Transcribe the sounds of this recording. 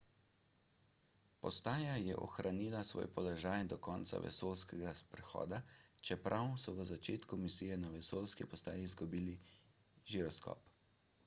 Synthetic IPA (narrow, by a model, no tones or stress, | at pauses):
pɔst̪aːjajɛʔɔ̰xɾʔaniːlasʋo̰ːjpɔlɔʒaːjd̪ɔkɔːnt̪sa̰ʋɛ̰soːlskɛɡapɾɛxɔ̰ːd̪at͡ʃɛpɾʔawsɔʋəzat͡ʃeːt̪kumisijɛnaʋɛsoːlskipɔst̪aːjiːzɡubiːli | ʒiɾɔskɔ̰p